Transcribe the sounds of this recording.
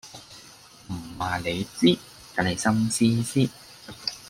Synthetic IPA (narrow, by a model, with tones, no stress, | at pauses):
m̩˨˩waː˨˩le˨˧jt͡siː˥ | t̪a˨˥nhɐ˨jsɐ˥msiː˥siː˥